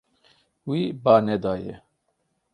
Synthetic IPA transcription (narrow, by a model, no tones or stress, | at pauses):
wibaːnɛd̪aːjɛ